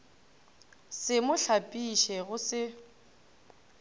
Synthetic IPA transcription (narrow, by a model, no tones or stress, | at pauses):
sɪmʊɬʰapʼiʃɛɣʊsɪ